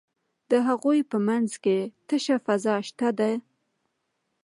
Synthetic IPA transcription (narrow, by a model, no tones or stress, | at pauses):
d̪̥əɦaɣujpəmanzket̪əʃafazɑʃt̪ad̪aj